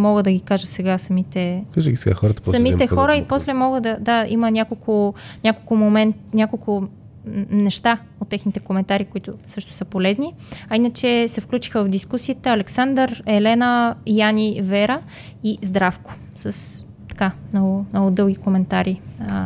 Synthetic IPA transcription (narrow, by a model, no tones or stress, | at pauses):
mɔɡəd̪ɐɡikaʒət̪sɛɡasɐmit̪ɛkaʒəɡʲisɛɡa̰xɔɾət̪ə̥pssɐmit̪ɛxɔɾəiposlɛmɔɡəd̪ɐd̪aḭmənʲakolˠkʰʊnʲakolˠkʊmomɛnt̪nʲakolˠkʊ | nɛʃt̪a | ot̪ːɛxnit̪ɛkomɛnt̪aɾikoit̪ʊsɤʃt̪ʊ̥səpolɛzni | ɐinət͡ʃɛsɛfklʲut͡ʃi̥xəvɐvd̪iskusiət̪əːlɛksand̪əɾɛlɛnəjanʲivɛɾə | izd̪ɾafkʊ̥ | səs | t̪ɐ̥kamnɔɡʊnnɔɡʊd̪ɤlˠɡʲikomɛnt̪aɾiə